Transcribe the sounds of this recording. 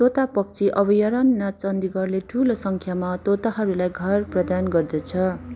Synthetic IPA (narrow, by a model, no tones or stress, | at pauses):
t̪ot̪apʌkt͡sʰiʔʌbʌjʌɾʌnːat͡sʌnd̪iɡʌrleʈʰulosʌŋkʰjamat̪ot̪aɦʌɾulajɡʱʌrprʌd̪anɡʌrd̪ʌt͡sʰʌ